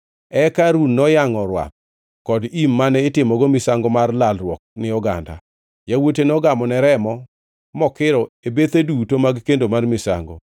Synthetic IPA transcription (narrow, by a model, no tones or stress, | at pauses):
ɛkaɾunːɔjaŋɔɾwa̰p̚ | kɔdimːanɛɪtɪmɔɡɔmɪsaŋɡɔmarlalrwɔk̚nɪɔɡa̰nda̰ | jawot̬enɔɡamɔnɛɾɛmɔ | mɔkɪɾɔebet̪edutomaɡkendomarmɪsa̰ŋɡɔ̰